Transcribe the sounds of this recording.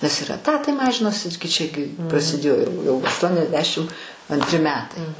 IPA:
nʲɛs ɪr ɛˈtɑːtɐɪ ˈmɑːʒʲɪnoːsʲɪ ɡʲɪ ˈt͡ʃʲæːɡʲɪ prɐsʲɪˈdʲeːjoː jɛʊ jɛʊ ɐʃtuɔnʲɛzʲˈdʲæːʃʲɪm ɐnʲtʲˈrʲɪ ˈmʲæːtɐɪ

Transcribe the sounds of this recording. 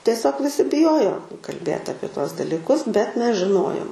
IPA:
tʲiɛˈsʲoːk ʋʲɪˈsʲɪ bʲɪˈjoːjoː kɐlʲˈbʲeːt ˈɑːpʲiɛ ˈtuɔs dɐlʲiːˈkʊs bʲɛt ˈmʲɛs ʒʲɪˈnoːjoːm

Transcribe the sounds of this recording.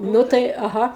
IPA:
ˈnʊ tɐɪ ɐˈɣɐ

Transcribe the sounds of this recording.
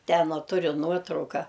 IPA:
ˈtʲɛn ɐ ˈtʊrʲʊ ˈnuɔtrɐʊkɐ

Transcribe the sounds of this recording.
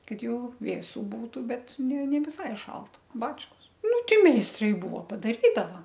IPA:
ˈkɐt ˈjɛʊ ˈʋʲeːsʊ ˈbuːtʊ ˈbʲɛt nʲɛ nʲɛ ʋʲɪˈsɐɪ ˈʃɐlˠt ˈbɑːt͡ʃkoːs ˈnʊ ˈtʲɪ mʲɛɪsˈtrɐɪ ˈbʊʋoː pɐdɐˈrʲiːdɐʋɐ

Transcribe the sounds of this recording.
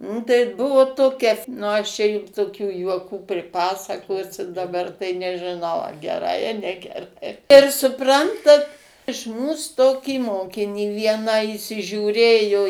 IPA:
nʊ tɐɪ ˈbʊʋoː ˈtoːkʲɛ f ˈnʊ ˈɐʃ t͡ʃʲɛ ˈjʊm toːˈkʲuː juɔˈkuː pʲrʲɪˈpɑːsɐkoːsʲʊ dɐˈbɐr tɐɪ nʲɛʒʲɪˈnɐʊ ɐ ɡʲɛˈrɐɪ ɐ nʲɛɡʲɛˈrɐɪ ɪr sʊˈprɐntɐt ɪʃ ˈmuːs ˈtoːkʲiː ˈmoːkʲɪnʲiː ˈʋʲiɛnɑː iːsʲɪʒʲuːˈrʲeːjoː

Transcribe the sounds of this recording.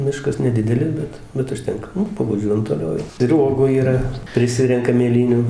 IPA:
ˈmʲɪʃkɐs nʲɛˈdʲɪdʲɛlʲɪs ˈbʲɛt ˈbʲɛt ʊʃʲˈtʲɛŋkɐ ˈnʊ pɐʋɐˈʒʲuɔjɛm toːˈlʲɛʊ jɛʊ ɪr ˈuɔɡuː iːˈrɐ pʲrʲɪˈsʲɪrʲɛŋkɐm mʲeːˈlʲiːnʲuː

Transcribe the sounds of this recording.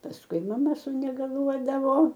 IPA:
pɐsˈkʊɪ mɐˈmɐ sʊnʲɛɡɐˈlˠuɔdɐʋoː

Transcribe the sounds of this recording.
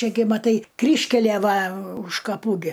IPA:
ˈt͡ʃʲɛ ɡʲɪ mɐˈtɐɪ ˈkrʲiːʃʲkʲælʲiɛ ˈʋɐ ʊʃ kɐˈpuː ɡʲɪ

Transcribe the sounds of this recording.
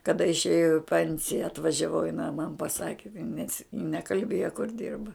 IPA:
kɐˈdɐ ɪʃʲˈeːjɛʊ jɛʊ ɪ ˈpʲɛnʲsʲɪjɛ ɐtʋɐʒʲɛˈʋɐʊ jɪˈnɐɪ mɐn pɐˈsɑːkʲɪ nʲɛs jɪ nʲɛkɐlʲˈbʲeːjoː kʊr ˈdʲɪrbɐ

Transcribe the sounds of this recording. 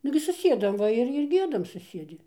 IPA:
ˈnʊɡʲɪ sʊˈsʲiɛdɐm ˈʋɐ ɪr ɪr ˈɡʲiɛdɐm sʊˈsʲiɛdʲɪ

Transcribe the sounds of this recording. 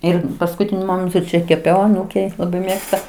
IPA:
ˈɪr pɐskʊˈtʲɪnʲʊ ˈmoːmʲɛntʊ ˈt͡ʃʲɛ kʲɛˈpʲɛʊ ɐˈnuːkʲɛɪ lˠɐˈbɐɪ ˈmʲeːkstɐ

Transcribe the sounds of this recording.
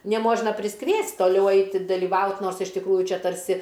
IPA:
nʲɛˈmoːʒnɐ pʲrʲɪsˈkʋʲiɛsʲtʲ toːˈlʲɛʊ ˈɐɪtʲɪ dɐlʲɪˈʋɐʊt ˈnoːrs ɪʃ tʲɪkˈruːjʊ ˈt͡ʃʲɛ tɐrʲˈsʲɪ

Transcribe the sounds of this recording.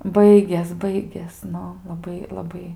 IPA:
ˈbɐɪɡʲeːs ˈbɐɪɡʲeːs ˈnʊ lˠɐˈbɐɪ lˠɐˈbɐɪ

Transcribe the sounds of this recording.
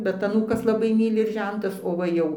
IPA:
ˈbʲɛt ɐˈnuːkɐs lˠɐˈbɐɪ ˈmʲiːlʲɪ ɪr ˈʒʲɛntɐs oː ˈʋɐ jɛʊ

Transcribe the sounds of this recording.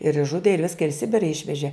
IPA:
ɪr ɪʒˈʒʊdʲeː ɪr ˈʋʲɪskɐ ɪr ɪ ˈsʲɪbʲɪrɐ ˈɪʃʲʋʲɛʒʲeː

